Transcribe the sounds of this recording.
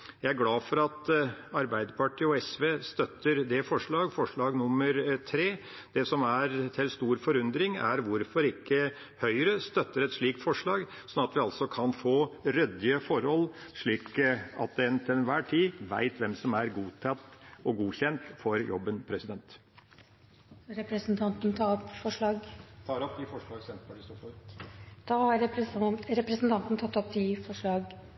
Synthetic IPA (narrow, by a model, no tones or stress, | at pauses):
jæɪæɾɡlɑːfɔɾɑt̪ɑɾbæɪd̪əpʰɑʈʰiːɔɛsʋeːst̪œt̪ːəɾd̪ɛfɔʂɭɑːɡfɔʂɭɑːɡnʊmːəɾt̪ʰɾeː | d̪̥ɛsɔmæɾt̪ʰɪlst̪uːɾfɔɾʉnd̪ɾɪŋæ̰ɾʋʊɾfɔɾɪkːə | hœʏɾəst̪œt̪ːəɾɛt̪ʂɭiːk̚t̪fɔʂɭɑːɡ | sɔnɑt̪ʋɪɑlsɔkʰɑnfoːɾɛd̪ɪəfɔɾhɔlːʂɭiːkɑ̰t̪̚d̪ɛɛnt̪ʰɪlɛnʋæːʈʰiːʋæ̰ɪt̪ʰʋɛmsɔmæɾɡuːt̪ʰɑt̪ːɔɡuːçɛnt̪fɔɾjɔ̰bːənpʰɾɛsɪd̪ɛnt̪ | ɾɛpɾɛsnt̪ʰɑnt̪nʰɑɔpːfɔʂɭɑːɡt̪ʰɑːɾɔpd̪ɪfɔʂɭɑːɡsɛnt̪̚pʰɔlɪsɔf | d̪̥ɑhɑɾ | ɾɛpɾɛsn̩t̪ɑnt̪nət̪ʰɑt̪ːɔpd̪ɪfɔʂɭɑːɡ